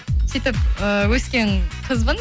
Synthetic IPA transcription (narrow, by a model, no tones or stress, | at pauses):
sit̪ɪpəwɵskʲeŋqʰəzbən